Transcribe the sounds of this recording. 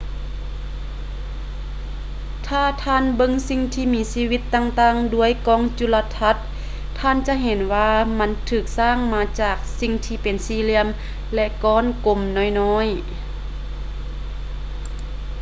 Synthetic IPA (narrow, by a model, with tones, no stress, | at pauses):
t̪ʰaː˧˩t̪ʰaː˧˨nbɤ˧˥ŋsi˧˨ŋt̪ʰiː˧miː˧˥siː˧˥wi˧˥t̪ːaː˧ŋt̪aː˧˨ŋdu˧˥əjkɔː˧˥ŋt͡ɕu˧˨la˧t̪ʰa˧˥t̪̚ʰː | aː˧˥˨nt͡ɕa˧˥ʔɦe˨˦nwaː˧ma˧˥nt̪ʰɯː˧˨˩k̚saː˧˥˨ŋmaː˧t͡ɕaː˧˨˩k̚si˧ŋt̪ʰiː˧pe˨nsiː˧˥li˧˥˨əm | lɛ˧ʔkɔː˧˥˨nko˧mnɔː˧˨jnɔː˧˥j